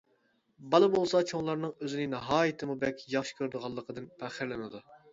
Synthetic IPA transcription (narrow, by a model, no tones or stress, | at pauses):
bɑlˠɨbolˠsɑt͡ʃʰoŋlˠɑɾnɨŋøzɪnɪnɑɦɑːjɨt̪ʰɨmubɛkʲjɑχʃkʲʰøɾd̪ɨʁɑlˠːəqʰəd̪ɨnpʰæχɪɾlɪnɨd̪u